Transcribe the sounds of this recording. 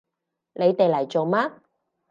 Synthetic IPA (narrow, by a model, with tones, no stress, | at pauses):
le˨˧jt̪e˨jlɐ˨˩jt͡so˨wmaː˥